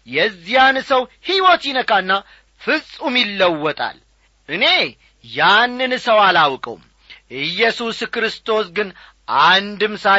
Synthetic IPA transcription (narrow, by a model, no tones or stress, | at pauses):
jɛzːijansəwhiwot̪jinəkanːa | fɨsʼumjilːəwːɔt̪ʼa̰l | ʔɨne̞ | janːɨnsəwalawkʼə̰wum | ɨjːɛsuskɾɨst̪ʰo̞sɡɨn | ʔand̪ɨmsa